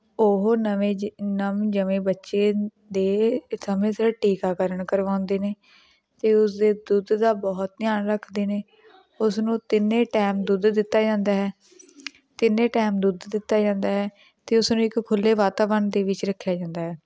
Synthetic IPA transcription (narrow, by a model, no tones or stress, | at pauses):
oɦnəʋẽːnəmd͡ʒəʋẽːbətːʃeː | d̪eːsəmẽːsəʈiːkaːkəɾəɳkəɾʋãːʊnd̪eːneː | t̪eːʊsd̪eːd̪ud̪d̪aːbɔːt̪̚nɪjaːnɾəkʰd̪eːneː | ʊsnũːt̪ɪnːẽːʈɛːmd̪ud̪d̪ɪt̪ːaːd͡ʒãːnd̪aːɦɛː | t̪ɪnːẽːʈɛːmd̪ud̪d̪ɪt̪ːaːd͡ʒãːnd̪aːɦɛː | t̪eːʊsnũːɪkkʰːʊlːeːʋaːt̪aːʋənd̪eːʋɪt͡ʃɾəkʰːjaːd͡ʒãːnd̪aːɦɛː